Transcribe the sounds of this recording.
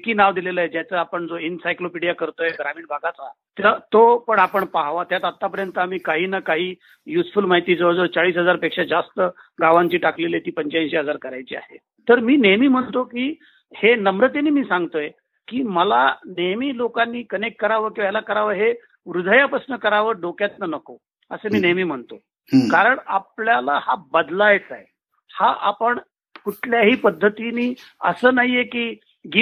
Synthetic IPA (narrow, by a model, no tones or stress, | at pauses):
kiːnaʋd̪ilelaed͡ʑjat͡səapəɳd͡zoinsajklopeɽijakəɾt̪ojeɡɾamiːɳbʱaɡat͡sat̪ət̪opəɳapəɳpaɦʋat̪jat̪at̪ːap̬əɾjənt̪əam̤iːkaɦiːnakaɦiː | jusfulmaɦit̪it͡səd͡zot͡saɭiːsɦəd͡zaɾpekʂad͡zast̪ə | ɡaʋaɲt͡ɕiːʈaklelet̪iːpəɲt͡ɕanɕeɦəd͡zaɾkəɾajt͡ɕiːa̰ɦḛ | t̪əɾmiːnejmiːm̤əɳt̪okiː | henəmɾət̪eniːmiːsãŋɡt̪oje | kiːməlanəjmiːlokanːiːkənekːəɾaʋəkiʋjalakəɾaʋəɾɦe | ʋɾud̪ʱəjapɾəsnəkəɾaʋəɾɖokjat̪nanəko | əsəmiːnejmiːm̤əɳt̪o | kaɾəɳapljalahabəd̪lajt͡sae | haʔa̰pəɳ | kuʈʰljaɦiːpəd̪ʱːət̪iniːə̰səːnaɦijekiː | ɡi